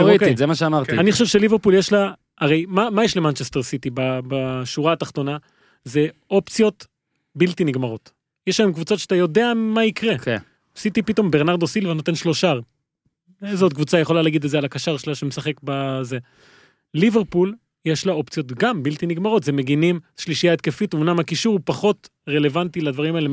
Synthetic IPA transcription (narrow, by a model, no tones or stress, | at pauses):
ʁoekizemaʃeamaʁt̪ianiχoʃevʃeliveʁpuljeʃla | ʔaʁejmamajeʃlemant͡ʃest̪eʁsit̪ibabaʃuʁaːt̪aχt̪o̞na | ze̞o̞pt͡sijo̞t̪ | bilt̪iniɡmaʁo̞t̪ | jeʃlaemkvut͡sotʃeat̪ajo̞de̞amaikʁeken | sit̪ipit̪o̞mbeʁnaʁd̪osilvno̞t̪e̞nʃlo̞ʃaʁ | ezot̪̚kvut͡sajeχo̞lalaɡid̪etzealakaʃaʁʃelaʃemesaχe̞kbaze | liveʁpul | jeʃlao̞pt͡sjo̞t̪ɡambilt̪iniɡmaʁo̞t̪zemeɡinimʃliʃijaet̪̚ke̞fit̪umnamakiʃuʁupaχo̞t̪ | ʁe̞le̞vant̪ilad̪vaʁimaele